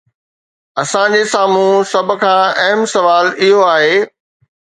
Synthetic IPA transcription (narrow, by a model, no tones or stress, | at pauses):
ɐsãd͡ʑeːsaːmũsɐb̆ʱkʰãːɐɦəmsɐʋaːlɪɦoaːɦeː